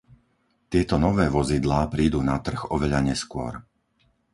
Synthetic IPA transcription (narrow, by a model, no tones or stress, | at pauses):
t̪ɪɛt̪ɔnɔʋɛːʋɔzid̪laːpɾiːd̪uːnat̪r̩ɣɔʋɛʎaɲɛskʊɔ̰ɾ